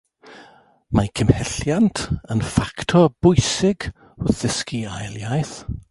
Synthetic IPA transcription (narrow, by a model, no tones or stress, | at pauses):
makʰəmhɛɬjantʰənfaktʰɔb̥ʊjsɪɡ | ʊθɪskiajlˠjajθ